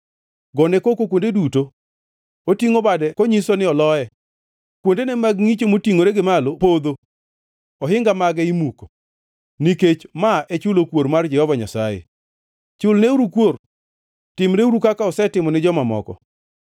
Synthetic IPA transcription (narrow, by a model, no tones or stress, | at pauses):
ɡɔnekokokwondeduto | otiŋobadɛkɔɲisɔnɪɔlɔjɛ | kwondenɛmaɡŋit͡ʃomotiŋoɾeɡɪmalopod̪o | ɔɦɪŋɡamaɡɛimuko̥ | niket͡ʃmaʔet͡ʃʊlokwoɾmard͡ʒɛhɔvaɲasajḛ | t͡ʃʊlneuɾukwor | tɪmɾeuɾukakaɔsɛtɪmɔnɪd͡ʒɔmamɔ̰kɔ̰